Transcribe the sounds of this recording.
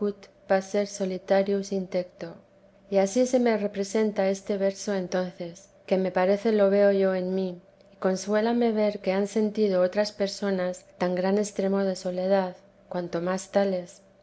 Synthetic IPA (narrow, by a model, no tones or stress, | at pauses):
ut̪ | base̞ɾso̞lit̪aɾjusint̪e̞kt̪o̞ | iasise̞mere̞pɾe̞se̞nt̪ae̞st̪e̞β̞e̞ɾso̞e̞nt̪o̞n̟θe̞s | ke̞me̞paɾe̞θe̞lo̞β̞e̞o̞ʝo̞enmi | iko̞nswe̞lame̞β̞e̞ɾke̞anse̞nt̪ið̞o̞ot̪ɾaspe̞ɾso̞nast̪aŋɡɾane̞st̪ɾe̞mo̞ð̞e̞so̞le̞ð̞að | kwant̪o̞mast̪ale̞s